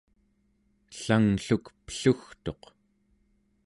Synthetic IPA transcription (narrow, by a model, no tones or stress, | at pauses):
ɬaŋɬukpə̥ɬuxt̪o̞q